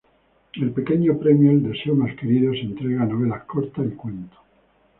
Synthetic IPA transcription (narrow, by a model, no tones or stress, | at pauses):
e̞lpe̞keɲopɾemjoeld̪eseomaskeɾiðose̞nt̪ɾeɣanoβ̞elakoɾt̪aikwent̪o̥